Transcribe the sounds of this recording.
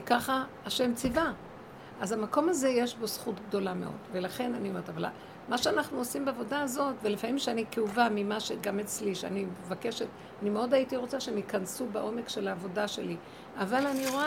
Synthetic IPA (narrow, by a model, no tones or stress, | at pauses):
kaχaː | ʃemt͡siva | ʔazamako̞maze̞je̞ʃbo̞sχutɡ̚do̞lame̞ʔo̞̰dve̞laχe̞nanio̞me̞t̪avala̰ | maʃeanaχnuosimbeavo̞daːzo̞tvelefamimʃeanikeuvamimaʃeɡame̞t͡sliʃea̰nimevake̞ʃe̞t | animeo̞daitiʁo̞t͡saʃeemikansubaʔo̞me̞kʃe̞laːvo̞daʃe̞li | avalaniʁoa